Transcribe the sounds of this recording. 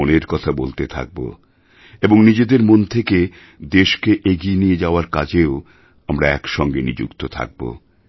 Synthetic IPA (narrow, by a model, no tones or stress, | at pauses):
oneɾkɔt̪ʰabolt̪et̪ʰa̰k̚bo̰ | eboŋnid͡ʑed̪eɾmont̪ʰeke | d̪eʃkeʔeɡienied͡ʑaoaɾkad͡ʑeo | amɾaɛkʃɔŋɡenḭd͡ʑṵkt̪ot̪ʰa̰k̚bo̰